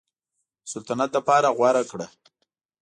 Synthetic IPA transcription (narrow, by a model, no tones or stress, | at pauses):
sʊlt̪anat̪̚lapɑɾaɣwaɾakɽa